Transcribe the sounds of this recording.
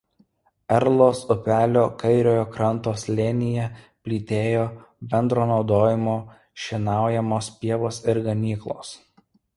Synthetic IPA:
ɛɾlˠoːsʊpʲæːlʲoːkɐɪɾʲoːjoːkɾɐnˑt̪oːslʲeːnʲɪjɛ | pʲlʲiːt̪ʲeːjoːbʲɛnd̪ɾoːnɒʊd̪oːjɪmoː | ʃʲɪnɑˑʊjɛmoːspʲiɛʋoːsɪɾɡɐmʲiːklˠoːs

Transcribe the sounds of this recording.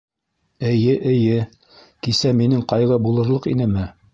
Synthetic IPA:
ɘ̆jɘʔɘ̆jɘ | kisæminɘŋqɑjʁɤbulˠɤ̆ɾlˠɤqinɘmɘ

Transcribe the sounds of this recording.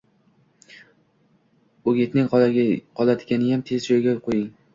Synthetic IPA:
ʊɡʲet̪nɪŋqʰɒlˠad̪ɪɡʲanɪjamt̪ʰe̞zd͡ʒojɡʲaqʰojɪŋ

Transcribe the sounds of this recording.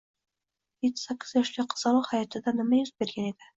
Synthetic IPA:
jet̪ʰːɪ̥sakʲːɪ̥zjɒʃlaqʰɨ̥zɑlˠɑhajɒt̪ʰɪd̪anɪmajʊzbe̞ɾɡʲane̞d̪̥ɪ

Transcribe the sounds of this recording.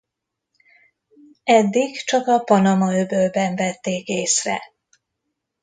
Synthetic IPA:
ɛd̪ːiɡt͡ʃɒkɒpɒnɒmɒøbøːlbɛɱvɛt̪ːeːkeːsrɛ̰

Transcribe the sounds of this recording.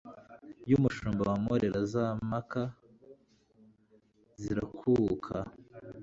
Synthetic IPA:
jumuʃuːmbawamoɾeɾazamaka | ziɾakʰukʰa

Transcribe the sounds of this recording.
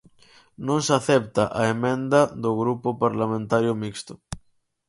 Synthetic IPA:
nõŋsaθɛpt̪aʔaemẽnd̪aðoɣɾupopaɾlamẽnt̪aɾjomikst̪o̥

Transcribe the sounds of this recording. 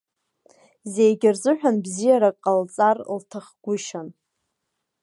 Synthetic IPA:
ze̞jɡʲɪrzɨħʷᶣanbzijaɾakʼalt͡sʼarltʰaχɡ̥ʷʊʃan

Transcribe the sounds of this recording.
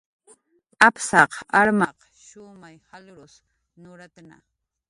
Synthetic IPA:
apsɑqaɾmɑq | ʃʊmajhalɾʊs | nʊɾat̪ana̰

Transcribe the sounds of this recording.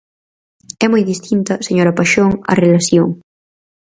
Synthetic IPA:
ɛmojðist̪int̪ɐseɲoɾɐpaʃoŋɐ̰relaθjoŋ

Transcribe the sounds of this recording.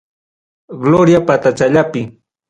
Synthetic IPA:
ɡloɾjapat̪at͡ʃaʎapɪ

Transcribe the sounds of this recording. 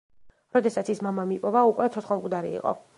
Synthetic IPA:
ɾɔd̪ɛsat̪sʰismamamipʼɔvaukʼwɛt̪sʰɔt̪sχɔmɡud̪aɾḭḭqʼɔ̰

